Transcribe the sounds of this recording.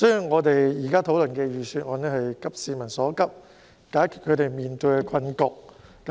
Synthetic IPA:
sɔ˥jyː˨˧ŋɔː˨˧t̪e˨jjiː˨˩kaː˥t̪ʰo˨˧˥wlɵ˨˩nkɛː˧jyː˨syː˧t̚ŋɔː˨˧nɛː˥hɐ˨jkɐ˥p̚siː˧mɐ˨˩nsɔː˨˥kɐ˥p̚ | kaː˨˥jkʰy˨t̚kʰɵ˨˧t̪e˨jmiː˨nt̪ɵ˧jkɛ˧kʰɐ˧nkɔː˧k̚ː | ɐ˨˦

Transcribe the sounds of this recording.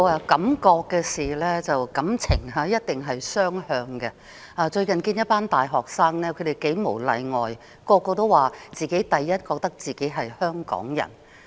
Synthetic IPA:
ɐ˧kɐ˨˥mkɔː˧kːɛː˧siː˨˩lɛː˥t͡sɐ˨wkɐ˨˥mt͡sʰɪ˨˩ŋɦɐː˨˧jɐ˥t̚t̪ɪ˨ŋɦɐ˨jsœː˥ŋhœː˧ŋkɛ˧ | ʔaː˨˧t͡ʃɵ˧ɥkɐ˨nkiː˧njɐ˥t̚paː˥nt̪aː˨jɦɔː˨˩k̚saː˥ŋnɛː˥kʰɵ˨˧t̪e˨jke˨˥jmo˨˩wlɐ̰˨˧jŋɔː˨˩j | kɔː˧kɔː˧t̪o˥waː˨t͡siː˨ke˨˥jt̪ɐ˨jːɐ˥t̚kɔː˧k̚t̪ɐ˥k̚t͡siː˨ke˨˥jɦɐ˨jhœː˥ŋkɔ̰ː˨˥ŋjɐ̰˨˩n

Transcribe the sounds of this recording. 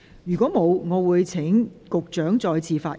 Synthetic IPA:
jyː˨˩kʷɔː˨˥mo˨˧wŋɔː˨˧wuː˨˧jt͡sʰɪ˨˥ŋkʊ˨k̚t͡ʃœː˨˥ŋt͡sɔː˨˧jt͡sʰiː˧faː˧

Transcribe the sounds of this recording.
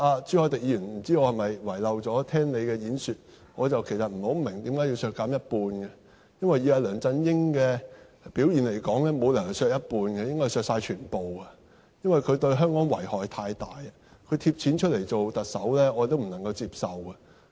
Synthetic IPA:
aː˧t͡syː˧˥hɔː˧˩t̪ɪ˨k̚jiː˨˧jyː˨˩nm̩˨˩t͡siː˥ɔː˨˧hɐ˨jmɐ˨jwɐ˨˩jlɐ˨wt͡sɔː˨˥t̪ʰɛː˥ŋle˨˧jkɛː˧jiː˨˥nsyː˨t̚ | ŋɔː˨˧t͡sɐ˨wkʰe˨˩jsɐ˨t̚m̩˨˩ho˨˥wmɪ˨˩ŋt̪iː˨˥mkaː˨˥ji˧wsœː˧kːaː˨˥mjɐ˥t̚puː˧nɡɛ˧ | jɐ˥nwɐ˨jːiː˨˧aː˧lœː˨˩ŋt͡sɐ˧njɪ˥ŋkɛː˧ | piː˨˥wjiː˨nle˨˩jkɔː˨˥ŋlɛː˥mo˨˧wlɐ˨˩ŋhɐ˨˧sœː˧k̚jɐ˥t̚puː˧nɡɛ˧jɪ˥ŋkɔː˥jsœː˧k̚saː˧jt͡ʃʰyː˨˩npo˨˩wɐ˧ | jɐ˥nwɐ˨jkʰɵ˨˧t̪ɵ˧ɥɦœː˥ŋkɔː˨˥ŋwɐ̰˨˩jhɔː˨t̪ʰaː˧jt̪aː˨jɐ˨ | kʰɵ˨˧ɥt̪ʰi˧p̚t͡sʰiː˨˥nt͡ʃʰɵ˥t̚le˨˩jt͡so˨wt̪ɐ˨t̚sɐ˨˥wlɛː˥ɔː˧˨˧t̪o˥wm̩˨˩nɐ˨˩ŋkɐ˧wt͡siː˧p̚sɐ˨wɐ˧

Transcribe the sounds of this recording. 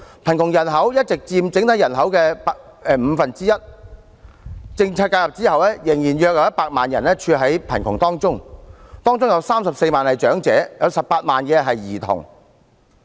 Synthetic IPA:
pʰɐ˨˩nk̪ʰʊ˨˩ŋjɐ˨˩nɦɐ˨˥wjɐ˥t̚t͡sɪ˨k̚t͡siː˧mt͡sɪ˨˥ŋt̪ʰɐ˨˥jɐ˨˩nɦɐ˨˥wkɛː˧p | ɛː˨˧m̩˨˧fɐ˨nt͡siː˥jɐ˥t̚ | t͡sɪ˧ŋt͡sʰaː˧t̚kaː˧jɐ˨p̚t͡siː˥hɐ˨wlɛː˥jɪ˨˩ŋjiː˨˩njœː˧k̚jɐ˧jɐ˥t̚paː˧k̚maː˨njɐ̰˨˩nɛː˥t͡ʃʰyː˧ɦɐ˨˥jpʰɐ˨˩nkʰʊ˨˩ŋt̪ɔː˥ŋt͡sʊ˥ŋt̪ɔː˥ŋt͡sʊ˥ŋjɐ˨˧wsaː˥msɐ˨p̚se˧jmaː˨˩nhɐ˨jt͡ʃœː˨˥ŋt͡sɛ̰ː˨˥jɐ˨˧wsɐ˨p̚paː˧t̚maː˨nkɛ˧ɦɐ˨jːiː˨˩t̪ʰʊ̰˨˩ŋ

